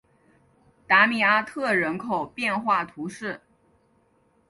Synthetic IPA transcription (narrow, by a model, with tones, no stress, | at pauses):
t̪a˧˥mi˨˩a˥t̪ʰɤ˥˩ɻə˧˥nkʰo˨˩ʊpjɛ˥˧nxwa˥˩t̪ʰu˧˥ʂɻ̩˥˩